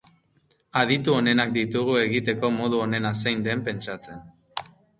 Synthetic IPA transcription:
aðit̪uo̞ne̞nak̚d̪it̪uɣ̞ue̞ɣit̪e̞ko̞mo̞ð̞uo̞ne̞nasejnd̪e̞mpe̞nt͡sat͡se̞n

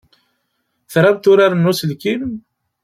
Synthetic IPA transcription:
θɾˤabt̪ʊɾaɾənːusəlkim

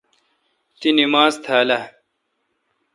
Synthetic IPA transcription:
t̪inimaːzt̪ʰaːlɐ

